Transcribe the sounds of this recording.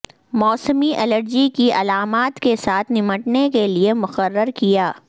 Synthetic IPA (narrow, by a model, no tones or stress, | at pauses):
mɔːsəmiʔɛləɾd͡ʒikiʔɐlaːmaːt̪kesaːt̪ʰnɪməʈnekeliemʊqəɾːəɾkijaː